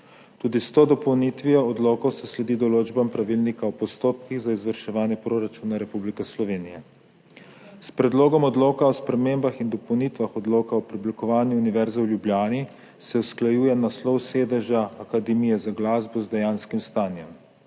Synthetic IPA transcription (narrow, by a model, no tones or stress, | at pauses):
t̪uːd̪ist̪oːd̪ɔpɔwnit̪ʋijɔɔd̪loːkɔsɛslɛd̪id̪ɔloːd͡ʒbampɾaʋilnikaɔpɔst̪oːp̚kiɣzaizʋəɾʃɛʋaːnjɛpɾoɾat͡ʃuːnaɾɛpublikɛslɔʋeːnijɛ | spɾɛd̪loːɡɔmɔd̪loːkaɔspɾɛmembaxind̪ɔpɔwnit̪ʋaxɔd̪loːkaɔpɾiblikɔʋaːnjuuniʋɛɾzawljubljaːni | sɛwsklajuːjɛnaslɔwseːd̪əʒaːkad̪ɛmijɛzaɡlaːzbɔzd̪ɛjaːnskimst̪aːnjɛm